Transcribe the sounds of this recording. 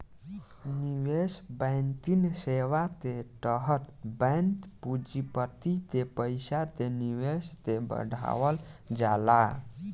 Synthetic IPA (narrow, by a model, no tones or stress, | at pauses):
niwesbənt̪insewat̪eʈəɦət̪bəjnt̪pud͡ʒipət̪it̪epəɪsat̪eniwest̪ebə̰ɖʱa̰wəld͡ʒala